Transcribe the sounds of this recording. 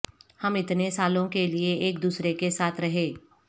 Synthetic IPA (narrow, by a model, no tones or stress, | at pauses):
hɐmɪt̪nesaːlõkelieeːkd̪uːsɾekesaːt̪ʰɾɐɦeː